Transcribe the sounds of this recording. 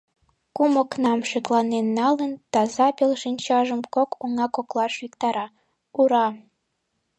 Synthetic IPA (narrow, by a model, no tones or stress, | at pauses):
kuməknɑmʃeklɑnenːɑlənt̪ɑzɑpelʃinʲt͡ɕɑʒəmkokʰoŋɑkoklɑʃwikt̪ɑɾɑ | uɾɑ